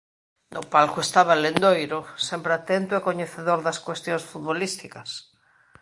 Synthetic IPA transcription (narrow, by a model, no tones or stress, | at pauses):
nopalkoest̪aβalend̪ojɾosempɾeat̪ent̪oekoɲeθeðoɾðaskwest̪jõŋsfut̪βolist̪ikɐs